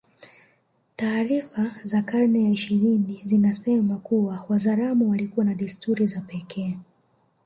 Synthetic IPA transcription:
taːɾifazakaɾnɛjaiʃiɾinizinasɛmakuwawazaɾamuwalikuwanaɗistuɾizapɛkʰɛː

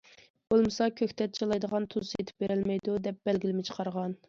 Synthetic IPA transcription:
b̥olˠmɨsɑkʲʰøkʲt̪ʰɛt̪̚t͡ʃʰelˠɑjd̪əʁɑnt̪ʰuzet̪ʰɪ̥p̚beɾɪlmɛjd̪ud̪ɛp̚b̥ɛlɡʲilɪmɪt͡ʃʰə̥qʰɑɾʁɑn

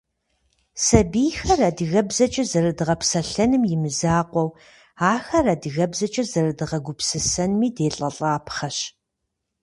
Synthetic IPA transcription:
sɐbiːxɐradɨɣɐbzɐt͡ʃʼɐzɐɾɨdɨʁɐpsɐɬɐnɨmjɪmɨzaːqʷɔw | aːxɐraːdɨɣɐbzɐt͡ʃʼɐzɐɾɨdɨʁɐɡʷʊpsɨsɐnmiːdeːɬʼɐɬʼaːpχɐɕ

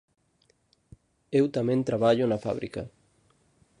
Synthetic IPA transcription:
ewt̪amẽnt̪ɾaβaʎunafa̰β̞ɾḭka̰

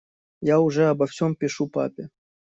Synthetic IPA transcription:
jauʐɛɐbɐfsʲompʲɪʂupa̰pʲe

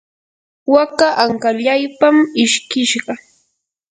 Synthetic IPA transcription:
wakaʔaŋkaʎajpamɪʃkɪʃɢɑ

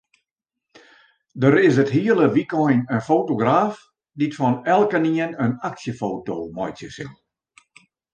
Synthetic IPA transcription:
dəɾɪs̬ətɦiəlˠəʋikɔjnənfoːtoɡraːf | ditfɔnɛlˠkəniənənaksjəfoːtoːmɔjt͡ssjəsɪ̰lˠ

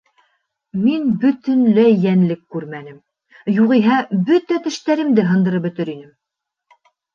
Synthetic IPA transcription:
minbɵ̆t̪ɵ̆nlɘjænlɘkːʉɾmænɘm | juʁiɦæbɵt̪æt̪ɘ̆ʃt̪æɾɘ̆md̪ɘɦɤ̆nd̪ɤ̆ɾɤp̚bɵ̆t̪ɘɾinɘm

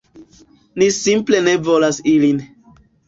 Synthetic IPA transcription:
nisimple̞ne̞volasilin

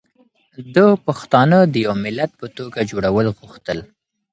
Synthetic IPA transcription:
d̪əpaxt̪ɑnəd̪əjawmɪlat̪̚pət̪oɡad͡ʒoɽawəlɣuxt̪əl

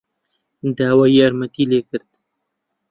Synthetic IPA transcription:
d̪aːwaːjiaɾmak̪ileːkɨɾt̪

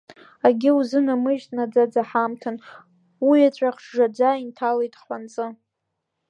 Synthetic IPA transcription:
aɡʲɪuzɨnamɨʒtʼnad͡zad͡zaħamtʰɨn | wiat͡ɕʷʼaχʂʐad͡ʒʷaintʰalejtʼħʷant͡sʼɨ

